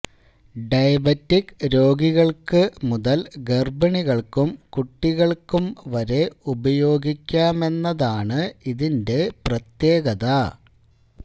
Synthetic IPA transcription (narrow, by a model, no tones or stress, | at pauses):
ɖɐjɐbɐtːikɾo̞ːɡiɣɐɭkɨmuðɐlɡerbɐɳiɣɐɭkumkuʈːiɣɐɭkumʋɐɾe̞ubɐjo̞ːɡikʲːaːme̞nːɐðaːɳɨiðinde̞prɐt̪je̞ːɡɐðɐ